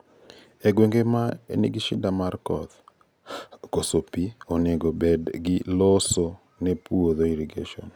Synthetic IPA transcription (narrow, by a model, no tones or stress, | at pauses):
eɡweŋɡemaḛniɡiʃɪdamarkɔt̪ | kosopioneɡobedɡɪloso | nɛpuoðoiɾiɡḛʃɔ̰n